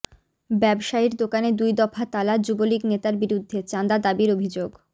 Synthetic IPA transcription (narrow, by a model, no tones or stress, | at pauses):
bɛbʃaiɾd̪okaned̪ujd̪ɔfʰat̪alad͡ʑuboliɡnet̪aɾbiɾud̪ʱːet͡ɕand̪ad̪abiɾobʱid͡ʑoɡ